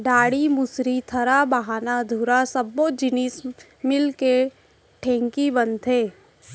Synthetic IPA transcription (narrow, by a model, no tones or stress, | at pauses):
ɖaːɽimʊsɾit̪ʰɐɾabəɦaːnad̪ʱuɾasɐbːod͡ʒɪnis | mɪlke | ʈʰɛ̃ːŋkibənt̪ʰeː